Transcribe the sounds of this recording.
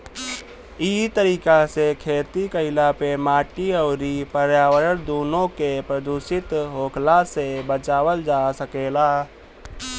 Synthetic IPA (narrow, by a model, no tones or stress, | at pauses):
it̪əɾiːkasekʰeːt̪ikəɪlapemaːʈiɔːɾipəɾjaːwəɾəɾd̪oːnõkepɾəd̪uːsɪt̪ɦoːkʰlasebət͡ʃaːwəld͡ʒasəkeːlaː